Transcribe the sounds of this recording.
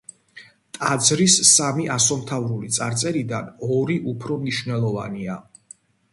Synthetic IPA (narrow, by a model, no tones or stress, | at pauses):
t̪ʼad̪zɾisːamiʔasɔmt̪ʰavɾulit̪sʼa̰ɾt̪sʼɛɾid̪anɔɾiʔupʰɾɔmniʃvnɛlˠɔva̰nia